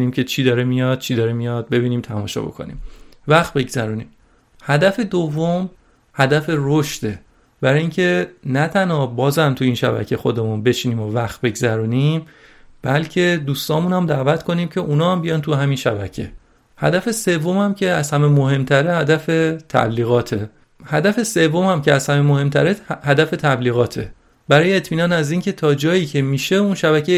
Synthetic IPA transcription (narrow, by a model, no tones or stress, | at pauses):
niːmcʰe̞t͡ʃʰiːd̪ɒɾemijɒd̪̥̚t͡ʃʰid̪ɒːɾemijɒd̪̚be̞biːniːmt̪ʰæmɒ̰ʃɒ̰bo̞̰kʰo̞̰nḭːmvæxt̪̚be̞ɡz̥æɾuːniːm | hæd̪æfe̞d̪ovːo̞m | hæd̪æfe̞ɾoʃd̪e̞ | b̥æɾɒjiːŋcʰe̞næt̪ʰænhɒbɒːzæmt̪ʰuiːnʃæ̰bæ̰cʰexo̞d̪e̞munbe̞t͡ʃʰiniːmovæxt̪̚be̞ɡzæɾuːnimb̥ælcʰe̞d̪uːst̪ɒːmuːnæmd̪æːvæt̪kʰo̞niːmcʰe̞ʔunɒːæmbijɒnt̪ʰuɦæminʃæbæ̰cʰe̞̰ | hæ̰d̪æfe̞se̞vːomæmcʰe̞æz̥hæmemoɦe̞mt̪ʰæɾehæd̪æfe̞t̪ʰæ̰bliːɣɒːt̪ʰe̞ | hæd̪æfe̞se̞vːo̞mhæmcʰeæz̥hæmemohe̞mt̪ʰæɾehæd̪æfe̞t̪ʰæbliːɣɒːt̪ʰe̞̰ | bæɾɒːjeet̪ʰmiːnɒːnæziːncʰe̞t̪ʰɒːd͡ʒɒːjiːcʰe̞miːʃe̞unʃæbæcʰe